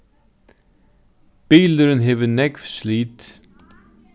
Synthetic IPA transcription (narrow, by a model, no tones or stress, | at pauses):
b̥iːld̪əɾənɦeːʋənɛɡfsliːt̪